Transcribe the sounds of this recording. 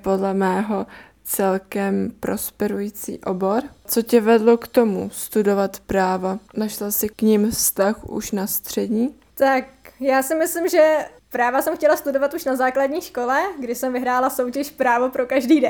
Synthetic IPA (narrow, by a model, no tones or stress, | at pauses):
po̞dlɛmɛːɦo̞ | t͡sɛlkɛmpɾo̞̰spɛɾujit͡sḭːʔo̞bo̞ɾt͡so̞cɛvɛdlo̞kt̪o̞must̪udo̞vat̪pɾaːvanaʃlasɪkɲɪmfst̪axʔṵʃnast̪r̝̥ɛdɲiː | t̪ak̚jaːsɪmɪslɪmʒɛ | pɾaːvasɛmxcɛlast̪udovat̪uʃnazaːkladɲiːʃko̞lɛɡdɪsɛmvɪɦɾaːlaso̞wcɛʃpɾaːvo̞pɾokaʒdiːdɛ